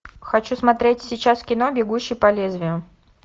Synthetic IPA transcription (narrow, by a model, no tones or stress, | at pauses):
xɐt͡ɕusmɐt̪ɾʲetʲsʲɪt͡ɕaskʲɪn̪o̞bʲɪɡuɕːɪjpɐlʲezʲvʲɪjʊ